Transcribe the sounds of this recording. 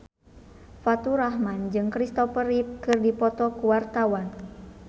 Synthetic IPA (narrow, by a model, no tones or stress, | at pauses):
fat̪uɾahmand͡ʒɨŋkɾist̪ɔpəɾip̚kɨrdipɔt̪ɔkuwart̪awan